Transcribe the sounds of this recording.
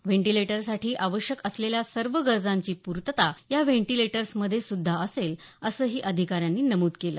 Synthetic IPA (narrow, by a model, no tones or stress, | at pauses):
ʋeɳʈileʈəɾsaʈʰiːʔaʋəɕjəkəsleljasəɾʋəɡəɾd͡zaɲt͡ɕiːpuɾt̪ət̪ajaʋeɳʈileʈəɾsməd̪ʱːjesud̪ʱːaəseləsəːɦiːʔəd̪ʱikaɾjanːiːnəmuːt̪kelə̰ː